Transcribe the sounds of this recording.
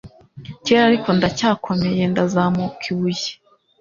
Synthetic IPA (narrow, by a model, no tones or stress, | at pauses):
ceɾaɾiko̞ndacaːkʰo̞me̞je̞ndazamokʰiβuje̥